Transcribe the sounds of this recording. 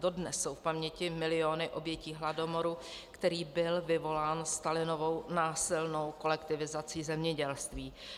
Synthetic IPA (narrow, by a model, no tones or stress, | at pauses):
do̞dnɛsːo̞wfpamɲɛcɪmɪlɪo̞nɪʔo̞bjɛciːɦlado̞mo̞ɾu | kt̪ɛɾiːbɪlvɪvo̞laːnst̪alɪno̞vo̞wnaːsɪlno̞wko̞lɛkt̪ɪvɪzat͡siːzɛmɲɛɟɛlst̪viː